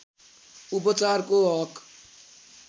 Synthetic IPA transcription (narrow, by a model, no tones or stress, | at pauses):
upʌt͡sarkoɦʌk